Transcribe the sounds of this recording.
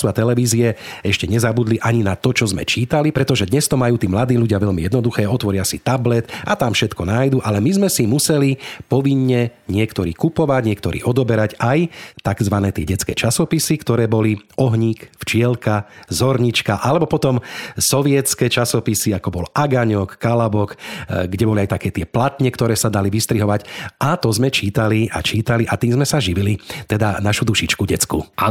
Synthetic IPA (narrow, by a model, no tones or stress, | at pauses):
suat̪ɛlɛʋiːziɛ | ɛʃcɛɲɛzabud̪liʔaɲinat̪ɔt͡ʃɔzmɛ̰t͡ʃiːt̪alipɾɛt̪ɔʒɛd̪ɲɛst̪ɔmajuːt̪iːmlad̪iːluɟɪaʋɛʎmijɛd̪nɔd̪uxɛːɔt̪ʋɔɾɪasit̪ablɛt̪at̪amfʃɛt̪kɔnaːjd̪uʔalɛmizmɛsimusɛlipɔʋiɲːɛɲɪɛkt̪ɔɾḭːkupɔʋaɟɲɪɛkt̪ɔɾḭːʔɔd̪ɔbɛɾaɟajt̪aɡzʋanɛːt̪ɪɛɟɛt͡skɛ̰ːt͡ʃasɔpisikt̪ɔɾɛːbɔliɔɦɲiːkft͡ʃɪɛlkazɔɾɲit͡ʃkaʔalɛbɔpɔt̪ɔmsɔʋɪɛt͡skɛːt͡ʃasɔpisiakɔbɔlʔaɡaɲɔkːalabɔkɡɟɛbɔliajt̪akɛːt̪ɪɛplat̪ɲɛkt̪ɔɾɛːsad̪aliʋist̪ɾiɦɔʋaɟat̪ɔzmɛt͡ʃiːt̪aliʔa̰t͡ʃiːt̪aliʔat̪iːmzmɛsaʒiʋilit̪ɛd̪anaʃud̪uʃit͡ʃkuɟɛt͡skṵ